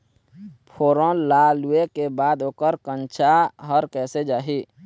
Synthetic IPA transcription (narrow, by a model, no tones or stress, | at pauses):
pʰoːɾõlaluekebaːd̪oːkəɾkə̃nt͡ʃʰaɦəɾkɛːsed͡ʒaːɦi